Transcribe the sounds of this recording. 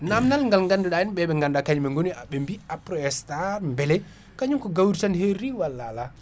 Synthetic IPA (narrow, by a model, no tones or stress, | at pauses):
namnalŋɡalŋɡanduɗaɛnɓɛɓɛŋɡandakaɲumɛŋɡoniaɓɛmbiapɾɔɛstambɛlɛ | kaɲumkɔɡawɾitanheɾiwalːala